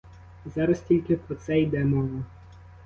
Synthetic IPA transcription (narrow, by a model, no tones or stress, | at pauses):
zɑɾɐsʲtʲilʲkʲɪpɔt̪sɛjd̪ɛmɔʋɐ